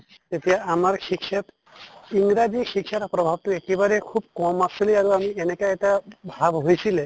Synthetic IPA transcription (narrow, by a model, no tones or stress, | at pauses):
t̪et̪ijaamaɾʃikʃet̪ | iŋɡɾad͡ʒiʃikʃaɾapɾɔbʱab̚t̪uekebaɾekʰubkɔmasiliaɾuamienekaeʈabʱabɦojt͡ʃʰile